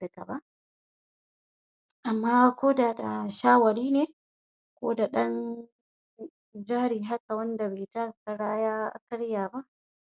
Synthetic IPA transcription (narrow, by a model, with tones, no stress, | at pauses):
da˨ka̰˨ba˦ʔ | ʔa˨mːaː˦kʷoː˦da˨da˨ʃaː˦wɐ˨ɽiː˦neː˨ | kʷo̰ː˦da˨ɗɐ˦n | d͡ʒaː˦ɾiː˨ɦa˦ka˨wɐ˦nda˨beː˨ta˦˨ka˨ɽaː˦jaː˦a̰˨kɐ˦ɽjaː˨ba˦ʔ